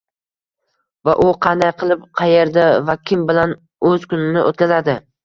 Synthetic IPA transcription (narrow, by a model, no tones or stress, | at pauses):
vaʔʊqʰɑnd̪ajqʰɨlˠɪp̚qʰɑje̞ɾd̪avakʲʰɪmbɪlan | ɵz̥kʊnɪnɪʔo̰t̪̚kʲazad̪ɪ